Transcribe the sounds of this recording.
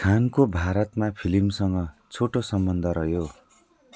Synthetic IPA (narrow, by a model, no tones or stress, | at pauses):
kʰankobʱaɾʌt̪mapʰilimsʌŋɡʌt͡sʰoʈosʌmbʌnd̪ʱʌɾʌjo